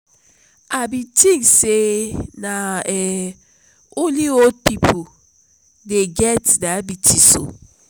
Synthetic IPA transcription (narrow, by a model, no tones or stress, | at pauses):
abitĩŋsenaɛ | oliod̚pipʰo | deɡɛtdabitʰiso̰